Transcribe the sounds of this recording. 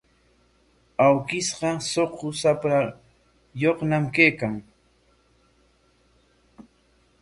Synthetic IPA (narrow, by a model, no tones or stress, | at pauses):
awkɪsɢɑsoqʊsapa | joχnamkejkaŋ